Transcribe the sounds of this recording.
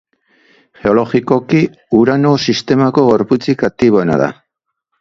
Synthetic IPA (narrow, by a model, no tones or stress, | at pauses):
xe̞o̞lo̞xiko̞ki | uɾano̞sist̪e̞mako̞ɣo̞ɾput͡sikat̪iβ̞o̞ena̰ða̰